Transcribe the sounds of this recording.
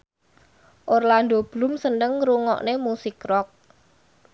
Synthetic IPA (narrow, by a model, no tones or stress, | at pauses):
ʔorland̪ob̥lʊ̤msənəŋɾuŋɔ̰ʔnemusɪkrɔk̚